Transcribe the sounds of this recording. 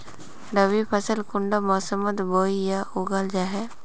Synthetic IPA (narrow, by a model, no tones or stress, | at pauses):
ɾəʋipʰəsəlkʊɳɖamɔːsəmət̪boːijaʊɡald͡ʒaːɦɛ